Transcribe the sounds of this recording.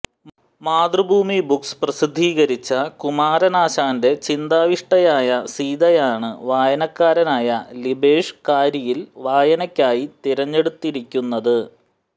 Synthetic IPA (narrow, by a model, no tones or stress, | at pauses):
maːd̪rɨbʱuːmibuksprɐsid̪ʱːiːɣɐɾit͡ɕːɐkumaːɾɐnaːɕaːnde̞t͡ɕind̪aːʋiʂʈɐjaːjɐsiːðɐjaːɳɨʋaːjɐnɐkːaːɾɐnaːjɐlibeːʂkaːɾjɐjilʋaːjɐnɐkʲːaːjit̪iɾɐɲːe̞ɽut̪ːiɾikʲːunːɐðɨ